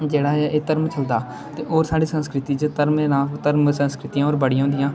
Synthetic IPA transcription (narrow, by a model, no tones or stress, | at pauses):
d͡ʒeːɽaːʔeːt̪əɾmt͡ʃʰəld̪aː | t̪eːʔoːɾsaːɖiːsə̃nskɾɪt̪iːt͡ʃət̪əɾmeːnaːt̪əɾmsə̃nskɾɪt̪ijãːoːɾbəɽijãɦʊ̃nd̪ɪjãː